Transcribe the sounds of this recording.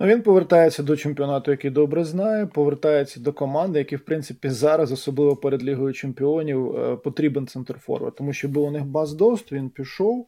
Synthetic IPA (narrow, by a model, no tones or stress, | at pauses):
ʊʋʲinpɔʋert̪ɑjet͡sʲːɐd̪ɔt͡ʃemʲpʲɔnɑt̪ʊjɐkid̪ɔbɾɛznɑjɛpɔʋert̪ɑjet͡sʲːɐd̪ɔkɔmɑnd̪ɪjɐkiwpɾɪnt̪sɪpʲizɑɾɐzɔsɔblˠɪʋɔpeɾed̪lʲiɦʊjʊt͡ʃempʲɪɔnʲiwpɔt̪ɾʲibent̪sɛnt̪rfɔ̰rʋɐ̰t̪ɔmuʃt͡ʃɔbuwʊnɪxbɑzd̪ɔst̪ʋʲinpʲiʃɔw